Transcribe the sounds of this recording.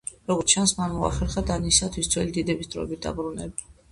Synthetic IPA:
ɾɔɡɔɾt̪ʰt͡ʃʰansmanmua̰χɛɾχad̪anisat̪ʰwisd̪zwɛlid̪id̪ɛbisd̪ɾɔ̰ɛbit̪̚d̪a̰bɾunɛba

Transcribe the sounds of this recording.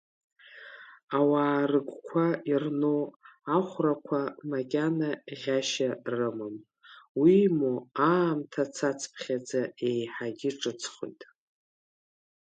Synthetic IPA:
awaːrɨɡʷkʷʰairnoaχʷrakʷʰamakʲʼanaʁʲaʃarɨmɨm | wimuaːmtʰat͡sʰat͡sʰpʰχʲad͡zaejħaɡʲɪʈ͡ʂʼɨt͡sʰχo̰jtʼ

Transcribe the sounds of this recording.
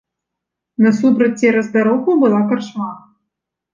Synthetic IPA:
nɐsupɾɐt͡sʲːɛɾɐzd̪aɾɔɣubɨlˠakarʂma

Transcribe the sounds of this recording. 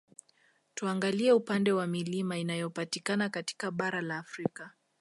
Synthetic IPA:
tuaŋɡaliɛupandɛwamilimainajɔpatikanakati̥kaɓaɾalaːfɾika

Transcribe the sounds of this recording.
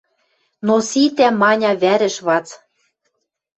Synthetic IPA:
nosit̪æmɑnʲɑβæɾɘ̆ʃβɑt͡s

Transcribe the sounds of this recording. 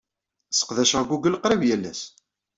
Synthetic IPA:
sə̥qðæʃʁɡuɡəlqɾævjælːæ̰s

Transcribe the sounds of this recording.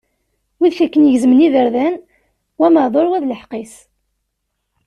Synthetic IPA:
wiðçækːənjəʝzəməniðəɾðæn | wæməðˤoɾwæðləħqes

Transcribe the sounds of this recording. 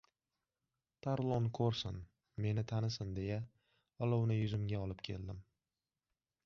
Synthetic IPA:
t̪ʰaɾlˠonkʰɵɾsɪn | me̞nɪt̪ʰanɪsɪnd̪e̞ja | ɒlˠɒwnɪjʊzɪmɡʲaɒlɪpkʲʰe̞̰ld̪ɪm

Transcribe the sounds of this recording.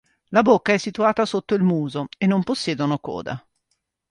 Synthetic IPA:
labokːaɛsːit̪uaːt̪asot̪ːoilmuːzoenːomposːjɛːd̪onokɔ̰ːd̪a̰

